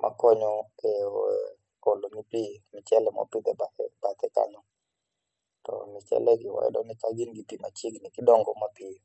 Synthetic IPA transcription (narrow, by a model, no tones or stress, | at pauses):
mʔa̰kɔɲɔɛ | ɔlonipimɪt͡ʃɛlɛmɔ̰pit̪ɛbaɛb̥at̪ɛka̰nʊ | tɔ̰mɪt͡ʃɛ̰lɛɡɪwɔ̰ɛ̰ɗɔnɪkaɡinɡipimat͡ʃiɡnɪkɪɗɔŋɡɔmapi